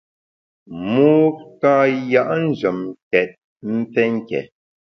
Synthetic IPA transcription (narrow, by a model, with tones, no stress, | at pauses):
muː˦ka˦ja˦ʔn̩˦˨d͡ʒə˨mkɛ˨t̚ | m̩˦p͡fɛ˦ŋ̩˦kɛ̰˨